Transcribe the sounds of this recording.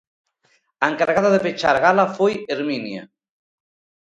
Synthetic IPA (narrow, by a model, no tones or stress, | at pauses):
aeŋkaɾɣaðaðepet͡ʃaɾɣalafojeɾminja̰